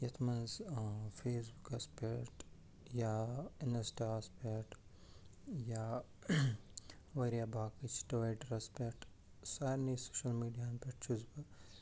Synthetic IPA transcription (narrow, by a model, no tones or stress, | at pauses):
jɐt̪ʰmɐnzfʰeːsbukɐspeʈ | jaɪnɐsʈaːspeʈ | ja | ʋɐɾijaːbaːkit͡ʃʰʈoːeʈɾɐspeʈ | saːɾnisoːʃɐlmiːɖijaːnpeʈt͡ʃʰuzbɐ